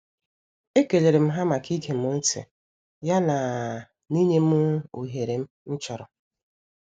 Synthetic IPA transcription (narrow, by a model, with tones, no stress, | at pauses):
e˦ke˨le˨ɾe˨m̩˦ɦa˦ma˨ki˦ɡe˨m̩˦ʊ˦n̩˦tɪ̰˨ | ja˦na˨ | ni˦ɲe˦m˦o˨ɦe˨ɾe˨m̩˦n̩˦t͡ʃɔ˨ɾɔ˨